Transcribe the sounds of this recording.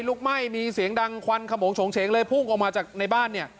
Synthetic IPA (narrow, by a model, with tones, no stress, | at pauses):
jluː˥˩k̚ma˥˩jmiː˧si˨˩˦əŋda˧ŋkʰwa˧nkʰa˧mo˩˦ŋt͡ɕʰoː˩˦ŋt͡ɕʰeː˩˦ŋlɤː˧jpʰu˥˩ŋʔa˨˩wmaː˧t͡ɕaː˨˩k̚na˧jbaː˥˩nːi˥˩ɐ